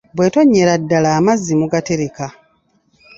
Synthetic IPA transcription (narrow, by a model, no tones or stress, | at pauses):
bwe̞ːto̞ɲːeɾadːalaːmazːimuɡateɾeka